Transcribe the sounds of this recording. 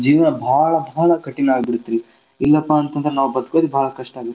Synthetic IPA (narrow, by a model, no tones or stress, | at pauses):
d͡ʒiːʋɐnɐbʱaːɭɐbʱaːɭɐkɐʈːinaːbiɽut̪ːɾi | ilːɐpːaːnt̪ɐnd̪ɐɾɛnaːʋubɐd̪koːd̪ibʱaːɭɐkɐʂʈaːɡit̪ː